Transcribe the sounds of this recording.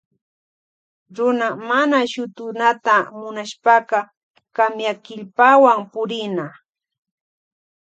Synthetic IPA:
ɾʊnamanaʃʊt̪ʊnat̪amʊnaʃpaqɑ | kamjakɪʎpawampʊɾɪna

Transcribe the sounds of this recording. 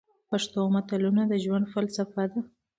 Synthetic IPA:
paʂt̪omat̪alunad̪əʒwand̪falsafad̪a

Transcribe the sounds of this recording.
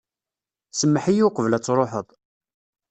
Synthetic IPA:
səmːəħijuqəvlæt͡sːɾˤoħəðˤ

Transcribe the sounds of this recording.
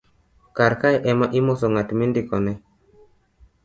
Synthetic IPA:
kaɾkajʔɛmaʔimɔsɔŋatmindikɔnɛ

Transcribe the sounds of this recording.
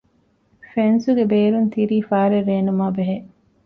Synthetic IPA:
fensuɡebeːɾunt̪iɾiːfaːɾeɾːeːnumaːbeɦe

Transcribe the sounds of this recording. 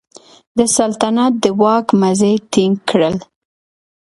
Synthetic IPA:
d̪əsalt̪anɑt̪̚d̪əwɑkmazet̪iŋɡkɽəl

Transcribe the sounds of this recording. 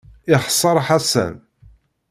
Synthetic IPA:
ɪχsˤːɑɾˤħasæ̰n

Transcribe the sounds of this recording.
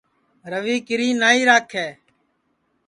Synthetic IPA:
ɾəʋiːkɪɾiːnaːiːɾaːkʰːɛː

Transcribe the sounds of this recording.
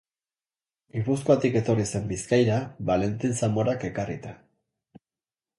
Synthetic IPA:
ɡipuskoat̪ike̞t̪o̞rise̞mbiskajɾaβale̞nt̪insamo̞ɾake̞karḭt̪a

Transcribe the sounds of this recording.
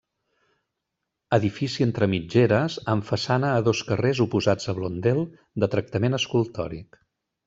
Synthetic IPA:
əðifisiənt̪ɾəmid͡ʒeɾəzəɱfəsanəːðoskərezupuzad͡zəβlond̪elˠ | d̪ət̪ɾək̚t̪əmenəskulˠt̪ɔ̰ɾik

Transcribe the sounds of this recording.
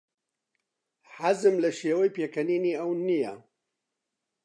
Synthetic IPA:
ħazɨmlɐʃeːwɐjpeːkʰɐniːniːɐwnijɐ̰

